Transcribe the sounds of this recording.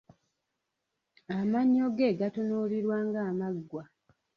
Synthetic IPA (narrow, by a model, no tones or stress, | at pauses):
amaɲːoɡe̞ːɡatonoliɾwaːŋɡaːmaɡːwa